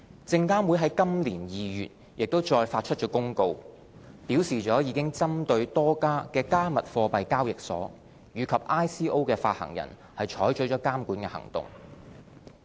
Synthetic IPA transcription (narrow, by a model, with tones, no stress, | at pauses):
t͡sɪ˧ŋkaː˥mwu˨˥jɦɐ˨˥jkɐ˥mliː˨˩njiː˨jyː˨t̚ | jɪ˨k̚t̪o˥wt͡ʃɔː˧jfaː˧t̚t͡ʃʰɵ˥t̚t͡ʃɔː˨˥kʊ˥ŋko˧w | piː˨˥wsiː˨˩t͡ʃɔː˨˥jiː˨˧kɪ˥ŋt͡sɐ˥mt̪ɵ˧ɥt̪ɔː˥kaː˥kɛː˧kaː˥mɐ˨t̚fɔː˧pɐ˨jkaː˥wjɪ˨k̚sɔ̰ː˨˥ | jyː˨˧kʰɐ˨p̚ʔaː˥jsiː˥ʔo˥wkɛː˧faː˧t̚hɐ̰˨˩ŋjɐ̰˨˩n | hɐ˨jt͡ʃʰɔː˨˥jt͡ʃɵ˨˥jt͡ʃɔː˨˥kaː˥mkuː˨˥nkɛː˧hɐ̰˨˩ŋt̪ʊ̰˨ŋ